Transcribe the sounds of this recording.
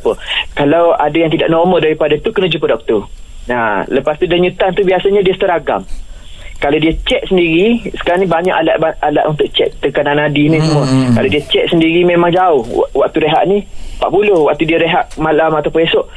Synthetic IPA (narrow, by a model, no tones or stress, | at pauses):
pəkalawadajaŋt̪ida̰ʔnɔrmədaɾipadat̪ukənud͡ʒupədɔk̚t̪ɔ | naləpast̪udaɲut̪ant̪ubiasaɲadiəst̪əɾaɡa̰m | kalawdiət͡ʃɛʔ̚səndiɾisə̥kaɾaŋnĩbaɲa̰ʔala̰ʔbaala̰ʔunt̪ʊʔ̚t͡ʃɛ̰ʔt̪əkananadinĩsəmuəkalawdiət͡ʃɛʔ̚səndiɾimemaŋd͡ʒaʊhwak̚t̪uɾeɦa̰ʔnipa̰ʔpulʊhwak̚t̪udiəɾeɦaʔmalamat̪awpə̃esɔʔ